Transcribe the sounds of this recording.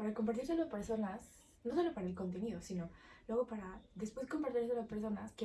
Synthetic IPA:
paɾako̞mpaɾt̪iɾselope̞ɾso̞nas | noso̞lo̞paɾaelko̞nt̪e̞niðosino̞lwe̞ɣ̞opaɾaðe̞spwe̞sko̞mpaɾt̪iɾs̬elospeɾso̞naske

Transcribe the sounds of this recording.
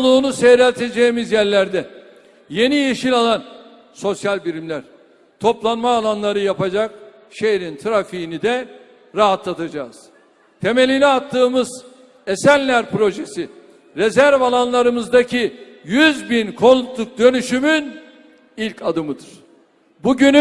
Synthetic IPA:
lˠuːnuseɾɛlʲt̪ʰe̞d͡ʒejimizjæɾlʲæɾd̪ɛ | je̞nijeʃilʲalˠan | so̞sjalʲbiɾimlʲæɾ̥ | t̪ʰo̞plˠanmaːlˠanlˠaɾɯjapad͡ʒak̚ | ʃejɾint̪ʰɾafiinid̪ɛ | ɾaɦat̪lˠat̪ʰad͡ʒaːz̥ | t̪ʰe̞me̞lʲiniat̪ʰːɯːmɯz | esælʲlʲæɾpɾo̞ʒesi | ɾezæɾvalˠanlˠaɾɯmɯzd̪acʰi | jyzbinkʰo̞nut̪lˠuk̚d̪ø̞nyʃymyn | ilʲcad̪ɯmɯd̪ɯɾ̥ | buɟyny

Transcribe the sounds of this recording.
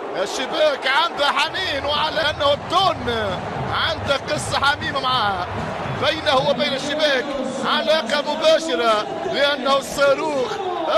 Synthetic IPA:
ʔɪʃːɪbaːkʕand̪aħamiːnwɪʕalaʔnːahʊd̪ːʊːn | ʕand̪aqɨsˤːɑħamiːmamaʕaːha | bajnahʊwɪbeːnaʃːɪbaːkʕalaːqɑmʊbaːʃɪɾa | lɪʔanːahʊsˤːɑːɾuːx

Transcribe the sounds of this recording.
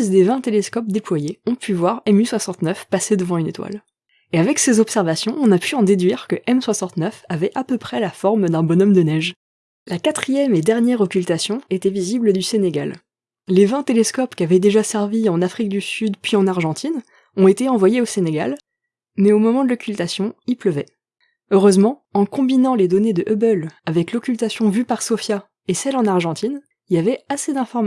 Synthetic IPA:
zd̪evɛ̃t̪eleskɔp̚d̪eplwajeɔ̃pʰyvwaʁɛmyswasɑ̃t̪nœfpased̪əvɑ̃ynet̪wa̰l | eavɛksezɔpsɛʁvasjɔ̃ɔ̃napʰyɑ̃d̪ed̪ɥiʁkəʔɛmswasɑ̃t̪nœfavɛʔapəpχɛlafɔʁmd̪ɛ̃bɔnɔmd̪ənɛʒ | lakat̪χijɛmed̪ɛʁnjɛʁɔkʲylt̪asjɔ̃et̪ɛvizibləd̪yseneɡʲa̰l | levɛ̃t̪eleskɔpkʲavɛd̪eʒasɛʁviɑ̃nafχik̚d̪ysyd̪pɥiɑ̃naʁʒɑ̃t̪ʰin | ɔ̃et̪eɑ̃vwajeoseneɡa̰l | mɛomɔmɑ̃d̪əlɔkʲylt̪asjɔ̃ilpləvɛ | øʁøzmɑ̃ɑ̃kɔ̃binɑ̃led̪ɔned̪əʔøbœlavɛklɔkʲylt̪asjɔ̃vypaʁsɔfja | esɛlɑ̃naʁʒɑ̃t̪in | iljavɛased̪ɛ̃fɔʁm

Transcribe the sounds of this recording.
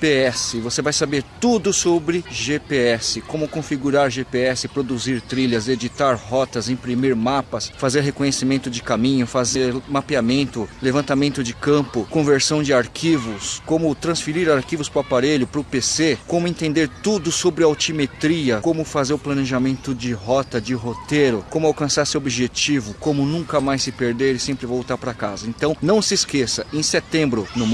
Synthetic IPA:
peɛsɪvosevajsabeɾt̪ud̪ʊsobɾɪʒepeɛsɪkõmʊkõfiɡuɾaɾʒepeɛsɪpɾod̪uziɾt̪ɾiʎɐzed͡ʒit̪aɾhɔt̪ɐzẽpɾimiɾmapɐsfazeɾɦekõɲesimẽnt̪ʊd͡ʒɪkamĩɲʊfazeɾmapiamẽnt̪ʊlevɐ̃nt̪amẽnt̪ʊd͡ʒɪkɐ̃pʊkõveɾsɐ̃w̃d͡ʒɪaɾkʰivʊskõmʊt̪ɾɐ̃sfiɾiɾaɾkivʊspɾʊapaɾeʎʊpɾʊpesekõmʊẽnt̪ẽnd̪eɾt̪ud̪ʊsobɾɪawt͡ʃimet̪ɾiɐkõmʊfazeɾʊplɐneʒamẽnt̪ʊd͡ʒɪɦɔt̪ɐd͡ʒɪɦot̪eɾʊkõmʊawkɐ̃saɾsewobiʒet͡ʃivʊkõmʊnũŋkɐmajssɪpeɾd̪eɾɪsẽmpɾɪvowt̪aɾpɾɐkazɐẽnt̪ɐ̃w̃nɐ̃w̃sɪskesɐẽj̃set̪ẽmbɾʊnʊ̃m

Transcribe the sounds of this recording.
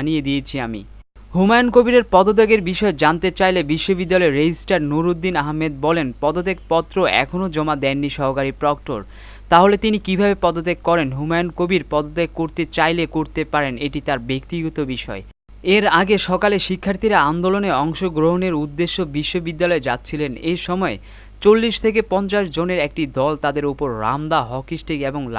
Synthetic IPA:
nijed̪iet͡ɕʰiamḭ | ɦumajonkobiɾeɾpɔd̪ot̪̬eɡeɾbiʃɔed͡ʑant̪et͡ɕajlebiʃːobid̪ːalɔeɾed͡ʑisʈaɾnuɾud̪ːinaɦmed̪̚bɔlenpɔd̪ot̪eɡ̚pɔt̪ːɾoɛ̰kʰonod͡ʑɔmad̪ɛnːiʃɔɦokaɾipɾɔk̚ʈo̰ɾ | t̪aɦolet̪inikibʱabepɔd̪ot̪̬eɡ̚kɔɾenɦumajonkobiɾpɔd̪ot̪eɡ̚kːoɾt̪et͡ɕajlekoɾt̪epaɾeneʈit̪aɾbek̚t̪iɡɔt̪obiʃɔ̰e | eɾaɡeʃɔkaleʃikʰːaɾt̪ʰiɾaand̪oloneɔŋʃoɡɾoɦoneɾud̪ːeʃːobiʃːobid̪ːalɔed͡ʑat̪ːɕʰilenejʃɔmɔe | t͡ɕolːiʃt̪ʰekepɔnt͡ɕaʃd͡ʑoneɾek̚ʈid̪ɔlt̪ad̪eɾupoɾːa̰md̪aɦɔkisʈiɡeboŋl

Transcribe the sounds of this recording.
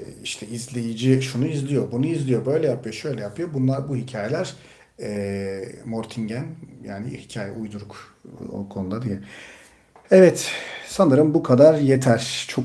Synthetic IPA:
iʃt̪ʰɛizlʲejid͡ʒiʃunuizlʲijo̞bunuizlʲijo̞bø̞jlʲɛjapʰɯjoʃø̞jlʲɛjapʰɯjo̞bunlˠaɾbuhicʰaːje̞lʲæɾ̥ | ɛ | moɾt̪ʰiɲɟænja̰ːnḭhicʰaːjɛ̰ʔujd̪uɾuk | o̰kʰo̞nud̪ad̪eji | ɛvɛt̪sanɯɾɯmbukʰad̪aɾjet̪ʰæɾ̥t͡ʃʰo

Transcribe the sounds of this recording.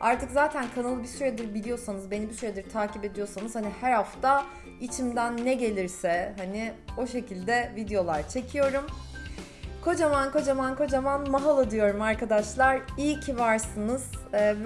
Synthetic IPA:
aɾt̪ʰɯkzaːt̪ʰænkʰanalˠɯbisyɾɛd̪iɾbilʲijo̞sanɯzbe̞nibisyɾɛd̪iɾt̪ʰaːcipe̞d̪ijo̞sanɯzhanihæɾhaft̪ʰa | it͡ʃʰimd̪ænːɛɟe̞lʲiɾsɛɦanɪo̞ʃe̞cʰilʲd̪ɛvid̪ejo̞lˠaɾt͡ʃʰe̞cʰijo̞ɾum | kʰo̞d͡ʒamanko̞d͡ʒamankʰo̞d͡ʒamanmaɦalˠad̪ɯjo̞ɾumaɾkʰad̪aʃlˠaɾijcʰivaɾsɯnɯz̥

